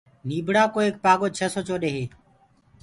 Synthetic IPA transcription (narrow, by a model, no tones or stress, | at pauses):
niːbʱɽaːkoːeːk̚paːɠoːt͡ʃʰəsoːt͡ʃoːɗeːɦeː